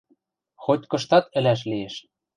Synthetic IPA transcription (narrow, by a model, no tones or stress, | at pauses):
xot̪ʲkɤ̆ʃt̪ɑt̪ɘ̆læʃ̬lijeʃ